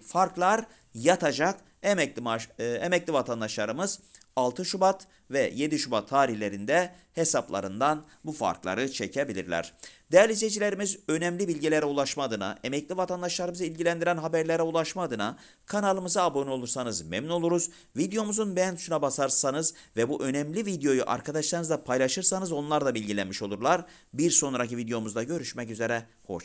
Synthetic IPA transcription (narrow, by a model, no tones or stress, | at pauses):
faɾklˠaɾ | jat̪ʰad͡ʒak | emɛcʲiaemɛclʲivat̪ʰand̪aʃlˠaɾɯmɯz | alˠt̪ʰɯʃubat̪ | vɛje̞d̪iʃubat̪ʰːaːɾihlʲe̞ɾind̪ɛ | he̞saplˠa̰ɾɯnd̪an | bufa̰ɾklˠa̰ɾɯt͡ʃʰecʰebilʲḭɾlʲæ̰ɾ̥d̪̥eaɾlʲid͡ʒed͡ʒilʲe̞ɾimizø̞nɛmlʲibilʲɟilʲeɾɛulˠaʃmad̪ɯna̰ʔemɛclʲivat̪ʰand̪aʃlˠaɾɯmɯzɯilʲɟilʲænd̪iɾænɦabæɾlʲeɾɛulˠaʃmaːd̪ɯna | kʰanalˠɯmɯzaːbo̞nio̞lˠuɾsanɯzmɛmno̞lˠuɾuz | vid̪ejo̞muzunbejænd̪ʰyʃunabasaɾsanɯzvɛbuʔø̞nɛmlʲivid̪eo̞juʔa̰ɾkʰad̪aʃsanɯzd̪apʰajlˠaʃɯɾsanɯzo̞nlˠaɾd̪ˠabilʲɟilʲænmiʃo̞lˠuɾlˠaɾ | biɾso̞nɾacivid̪ejo̞muzd̪aɟø̞ɾyʃmɛcyze̞ɾɛ | ho̞̰t͡ʃ